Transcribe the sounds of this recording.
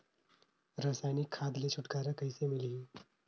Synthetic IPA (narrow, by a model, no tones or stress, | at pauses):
ɾasajnikʰːad̪let͡ʃʰuʈkaɾakəjsemili